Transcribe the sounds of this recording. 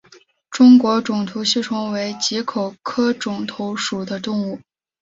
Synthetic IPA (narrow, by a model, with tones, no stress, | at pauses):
ʈ͡ʂʊ˥ŋkwɔ˧˥ʈ͡ʂʊ˨˩ŋt̪ʰu˧˥ɕi˥˩ʈ͡ʂʰʊ˥ŋwe˧˥ɪt͡ɕi˧˥kʰo˨˩ʊkʰɤ˥ʈ͡ʂʊ˨˩ŋt̪ʰo˧˥ʊʂu˨˩d̪ə˦t̪ʊ˥˧ŋu˥˩